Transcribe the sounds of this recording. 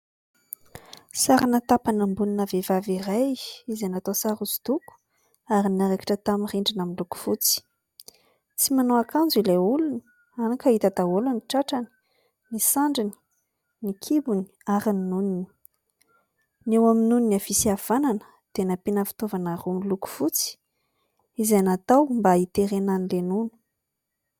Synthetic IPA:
saɾanat̪apanambuninavevavirajizenat̪osaɾuzu̥d̪̥uku̥ | aɾinaɾekḁʈ͡ʂət̪amiriɳɖ͡ʐinamiluku̥fut͡si̥ | t͡simanoakʰand͡zileuluni | anakait̪ad̪aoluniʈ͡ʂaʈ͡ʂani̥ | nisaɳɖ͡ʐini̥ | nikʰibuni̥aɾininunini̥ | newaminuniniafisiav̥ananə̥ | d̪̥enapenəfi̥t̪ovanarumluku̥fut͡si̥ | izanat̪awmbait̪eɾenanilenunu̥

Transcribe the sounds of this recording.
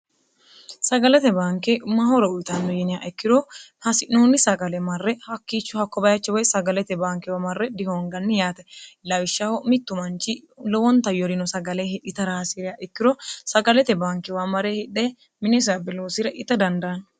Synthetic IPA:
sɐɡɐlɛt̪ɛbaːŋkeʊmahɔɾɔʊjt̪ɐnːʊjɛnɪjaʔɛkːɪɾɔhɐsɪʔnnːoːnːɪsɐɡɐlɛmɐrːɛhɐkːiːt͡ʃːʊhɐkːɔbɐjɐt͡ʃːɛwɔjsɐɡɐlɛt̪ɛbaːŋkɛwaːmɐrːɛd̪ɪhoːŋɡɐnːɪjaːt̪ɛlɐwɪʃːaːhɔmɪt̪ːʊmɐnt͡ʃilɔwɔnt̪ɐjɔɾɪnɔsɐɡɐleɪʔɪt̪ɐɾaːsɪɾɪjaːʔɪkːɪɾɔsɐɡɐlɛt̪ɛbaːŋkɪwaːmɐɾeːhɪᶑːeː | mɪnɛs̬abɪloːsɪɾɛʔɪt̪ːɐd̪ɐnd̪ɐɐn

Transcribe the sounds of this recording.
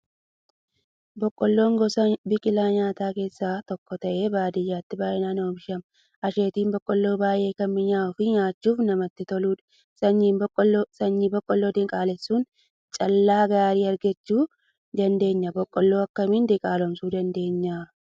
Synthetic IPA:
bɔkʼːɔlːoːŋɡɔsɐbɪkʼɪlaːɲaːt̪aːke̞ːsːaːt̪ɔkːɔt̪ɐʔe̞ːbaːd̪ɪjaːt̪ːɪbaːʔɛnaːnoːbɪʃɐm | ʔɐʃe̞ːt̪iːmbɔkʼːɔlːoːbaːje̞ːkɐmmɪɲaːɔfɪɲaːt͡ʃːuːfnɐmɐt̪ːɪt̪ɔluːᶑ | sɐɲːiːmbɔkʼːɔsɐɲːibɔkʼːɔlːoːd̪ɪŋkʼaːlɛsːuːn | t͡ʃʼɐlːaːɡaːɾiːɐɾɡɐt͡ʃːuː | d̪ɐnd̪e̞ːɲːɐbɔkʼːɔlːo̞ːɐkːɐmɪnd̪ɪkʼaːlɔmsuːd̪ɐnd̪e̞ːɲːaː

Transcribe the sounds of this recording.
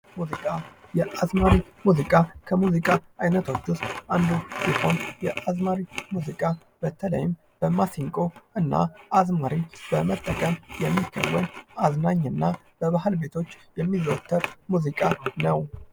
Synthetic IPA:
muzikʼajɛʔazmaɾimuzikʼakʰəmuzikʼaʔajnət̪ʰo̞t͡ʃːust̪ʔand̪usiho̞njɛʔazmaɾimuzikʼa | b̥ət̪ʰələ̰jɪm | b̥əmasiŋkʼoʔɨnːa̰azmaɾibəmət̪ʼːəkʼəmjɛmːikʰːə̰wːənaznaɲːɨnːa | b̥əβahɨlbe̞t̪ʰo̞t͡ʃːjɛmːizəwt̪ʰːəɾmuzikʼanəw

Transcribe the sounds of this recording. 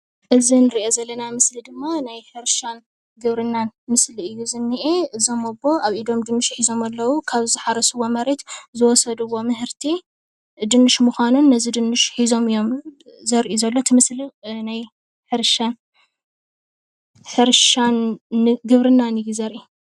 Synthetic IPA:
ʔɨzinɨɾiʔo̞zɐlːɐnamɨslid̪ɨmːanajħɨɾʃan | ɡɨβɾɨnːanmɨsliɨjːuzɨnːiʔeʔɨzo̞mɐbo̞aβʔid̪o̞md̪ɨnːɨʃħizo̞mɐlːɐwukʰaβɨzɨħaɾɐsɨwːomɐɾet̪zɨwɔsɐd̪ɨwːo̞mɨɦɨɾt̪ʰi | d̪ɨnːɨʃmuxʷanunːɐzid̪ɨnːɨʃħizo̞mɨjːo̞mzɐɾʔizɐlːo̞t̪ʰɨmɨslinaj | ħɨɾʃan | ħɨɾʃanɡɨβɾɨnːanɨjːuzɐɾʔi

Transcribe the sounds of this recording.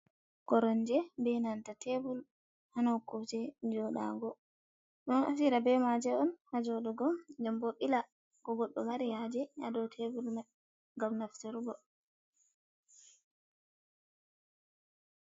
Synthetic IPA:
kɔɾɔnd͡ʒɛbɛnantatʰebul | hanakːud͡ʒɛd͡ʒɔɗa̰ŋɡɔ | ɗnɔna̰fiɾabɛmad͡ʒɛɔnhad͡ʒɔɗɔɡɔd͡ʒambɔɓila | kɔɡɔɗːɔmaɾihad͡ʒɛa̰dɔwtʰebulma | ŋɡamnaftɛɾɡɔ

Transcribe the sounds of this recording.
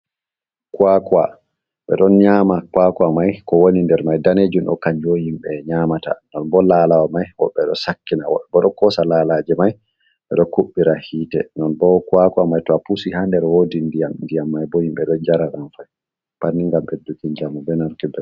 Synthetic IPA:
kwaka̰ | ɓɛ̰ɗɔnɲamakwakamajkɔwonindɛɾmajdaned͡ʒunɗɔ̰kaɲd͡ʒohimɓɛɲaːmata̰nɔnbɔlalawamajwɔɓɛɗɔ̰sakːinawɔ̰ɗɔbɔɗɔkɔsalalad͡ʒɛmaj | ɓɛɗɔkuɓːiɾahiːtɛnɔnbɔkwakamajtɔapusihandɛɾwodindijamndijamːajbɔhimɓɛɗɔd͡ʒaɾaɾanfaj | panːiŋɡamɓɛdukiɲd͡ʒamɔbɛnɔnkibɛ

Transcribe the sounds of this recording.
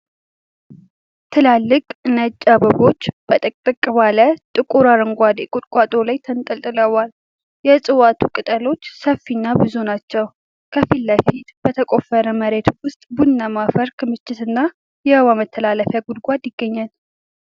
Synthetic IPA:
t̪ʰɨlalːɨkʼnət͡ʃʼːabəbo̞t͡ʃːb̥ət̪ʼəkʼt̪ʼɨkʼːɨβalət̪ʼɨkʼuɾaɾɨŋɡʷad̪kʼʊt̪ʼkʼat̪ʼolajt̪ʰənt̪ʼəlt̪ʼɨləwal | jɛsʼɨwat̪ʰukʼɨt̪ʼəlo̞t͡ʃːsəfːinːabɨzunat͡ʃːɛw | kʰəfilːəfit̪b̥ət̪ʰəkʼo̞fəɾəməɾe̞t̪wʊst̪ʼbunːamafəɾkʰɨmɨt͡ʃːɪt̪ɨnːa | jɛəwamət̪ʰːəlaləfjaɡulɡʷad̪jɪɡ̥ːəɲːal

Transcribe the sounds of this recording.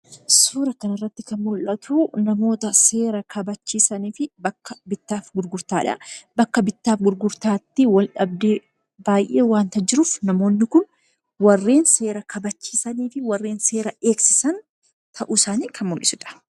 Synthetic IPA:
suːɾɐkɐnɐrːɐt̪ːɪkɐnmʊlʔɐt̪ʰuːnɐmo̞ːt̪ɐse̞ːɾɐkʰɐbɐt͡ʃːiːsɐniːfɪbɐkːɐbɪt̪ːaːfɡʊɾɡʊɾt̪aːᶑɐ̰bɐkːɐbɪt̪ːaːfɡʊɾɡʊɾt̪aːt̪ːɪwɐlᶑɐbd̪e | baːjʔe̞ːwaːnt̪ɐd͡ʒɪɾʊfnɐmo̞ːnːɪkʊn | wɐrːe̞ːnse̞ːɾɐkʰɐbɐt͡ʃːi̥ːsɐniːfɪwɐrːe̞ːnse̞ːɾɐʔe̞ːksɪsɐn | t̪ʰɐʔuːsaːniːkʰɐnmʊlʔɪsʊᶑɐ̥

